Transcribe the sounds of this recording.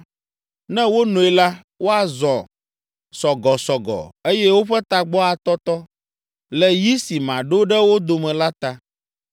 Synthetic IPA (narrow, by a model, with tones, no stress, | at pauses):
nɛ̃˦wo˦nũ˨ɛ˦˨la˦ | wo˦a˨zɔ̃˨ | sɔ˨ɡɔ˨sɔ˨ɡɔ̰˨e˦jɛ˦wo˦ɸɛ˦t̪a˨ɡ͡bɔ˦a˨t̪ɔ˦t̪ɔ˦ | lɛ˨ji˦si˨mã˨ɖo˦ɖɛ˦wo˦d̪o˨mɛ̃˨la˦t̪a˨